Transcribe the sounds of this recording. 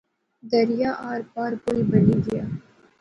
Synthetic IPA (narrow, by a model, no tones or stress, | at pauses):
d̪ɐɾɪjaːʔaːɾpaːɾpoːibɐliɡ̪ijaː